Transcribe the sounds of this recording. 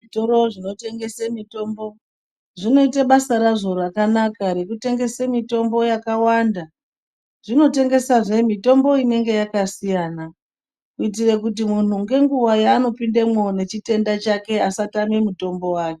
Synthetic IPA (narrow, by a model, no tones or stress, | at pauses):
ʐitoɾo̞ʐino̞te̞ŋɡe̞semito̞ːmbo̞ | ʐino̞itaɓasaɾaʐo̞rakanakaɾe̞kute̞ŋɡe̞semito̞mbo̞jakawanda | ʐino̞te̞ŋɡe̞saʐe̞mito̞mbo̞ine̞ŋɡe̞jakasijaːna | kuit̬ire̞kut̬imun̤uŋɡe̞ŋɡuwajaːno̞pindemwo̞ne̞t͡ʃite̞ndat͡ʃake̞asatamemuto̞mbo̞waːke